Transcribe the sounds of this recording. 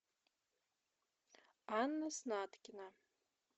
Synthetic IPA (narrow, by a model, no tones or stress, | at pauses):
anːasnaːt̪ʰkʲɪna